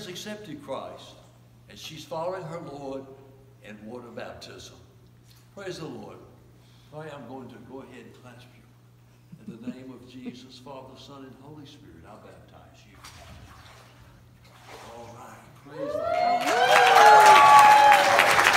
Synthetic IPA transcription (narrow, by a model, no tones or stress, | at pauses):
ɨzɨksɛp̚tɨd̚kʰɹ̥aɪst | ɨ̃n̥ʃiz̥fɑlˠəɪ̃ŋə˞lɔɹɾ | ɨ̃nwɔɾəbæ̰p̚tʰɪzə̃m | pʰɹ̥eɪzðəlɔɹd̚ʰ | aɪãɪ̃mɡoʊɪ̃ŋtʰɨɡoʊəɦɛdn̩kʰl̥æsfjʉ | ɨ̃nðɨnẽɪ̃mʌvd͡ʒizʌsfɑðə˞sʌ̃nɨ̃nɦoʊlˠispɪɹɨt̚aʊbæp̚tʰã̰ɪ̃mz̥i | oɹaɪ | pʰɹ̥eɪzəɔ